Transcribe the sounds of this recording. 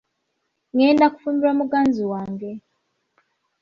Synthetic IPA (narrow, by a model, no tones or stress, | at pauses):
ŋeːndaku̥fumiɾwamuɡaːnziwaːŋɡe